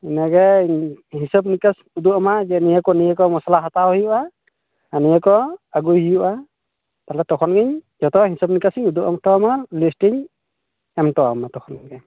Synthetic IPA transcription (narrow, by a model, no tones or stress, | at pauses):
ɛnaɡɛ | hisɔb̚nikas | uduamazɛnijakɔniɛkɔmɔsalaɦataɦɔjuʔa | anijɛkɔaɡuhijuʔa | talɛtɔkʰɔnɡiɲzɔtɔɦisɔb̚nikasiɲuduʔɔŋtɔmalistiɲ | ɛmtɔamatɔkʰɔnɡɛ